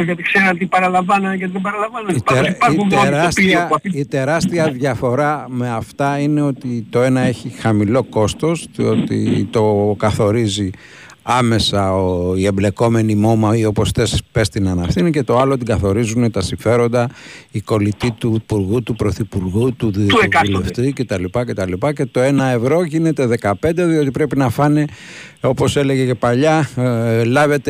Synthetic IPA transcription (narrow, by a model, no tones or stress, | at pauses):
jɐt̪ikseɾɐt̪ipɐɾɐlɐɱvɐnɐʝɐt̪iðebɐɾɐlɐɱvɐnɐipɐeɾɐsiɐit̪e̞ɾɐst̪iɐðʝɐfo̞ɾɐme̞ɐft̪ɐine̞o̞t̪it̪o̞e̞nɐeçixɐmilo̞ko̞st̪o̞sðio̞t̪ḭt̪o̞kɐθo̞ɾizi | ɐme̞sɐoie̞mble̞ko̞me̞nimo̞mɐio̞po̞st̪e̞spe̞st̪inɐnɐfθinice̞t̪o̞ɐlo̞t̪iɡɐθo̞ɾizunet̪ɐsiɱfe̞ɾo̞nd̪ɐiko̞lit̪it̪upuɾɣut̪upɾo̞θipuɾɣut̪uðuleft̪ice̞t̪ɐlipɐce̞t̪ɐlipɐce̞t̪o̞e̞nɐevɾo̞ʝine̞t̪e̞ðe̞kɐpe̞nd̪e̞ðio̞t̪̬ipɾe̞pinɐfɐne | opo̞se̞le̞ʝece̞pɐʎɐ | lɐve̞t̪e